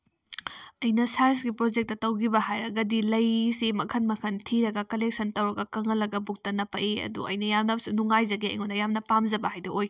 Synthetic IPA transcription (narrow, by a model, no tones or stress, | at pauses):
ɐjnɐsajsɡipɾod͡ʒek̚tɐtɐwɡibɐhajɾɐɡɐdilɐjsemɐkʰɐnmɐkʰɐntʰiɾɐɡɐkɐlek̚sɐntɐwɾɐɡɐkɐŋɐlːɐɡɐbuk̚tɐnɐpɐʔiɐ̰dṵɐ̰jnɐjamnɐbɐsunuŋajzɐɡeɐ̰jŋondɐjamnɐpamzɐbɐhajdɐoj